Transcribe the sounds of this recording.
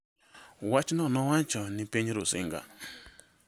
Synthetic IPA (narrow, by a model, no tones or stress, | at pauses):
wat͡ʃnɔnɔwat͡ʃɔnɪpeɲɾʊsɪ̰ŋɡa̰